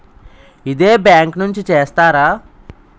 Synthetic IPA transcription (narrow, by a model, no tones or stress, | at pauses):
id̪e̞ːbjaːŋknuɲt͡ʃit͡ʃeːst̪aːɾaː